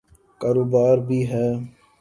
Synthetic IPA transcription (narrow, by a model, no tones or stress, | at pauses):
kaːɾoːbaːɾbʱiːɦɛː